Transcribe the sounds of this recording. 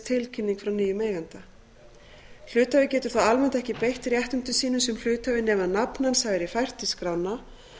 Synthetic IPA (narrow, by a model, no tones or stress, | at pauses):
t̪ʰɪlcʰɪnːiŋkfɾawnyːjʏmeːjɣant̪a | l̥ʏːt̪avɪcɛːt̪ʏ̥ɾ̥θaalmɛn̥t̪ɛhcɪpejht̪rjɛht̪ʏnt̪ʏsiːnʏsɛml̥ʏːt̪avɪnɛːmaðnapnansavɛɾifajr̥t̪ɪskɾawnːa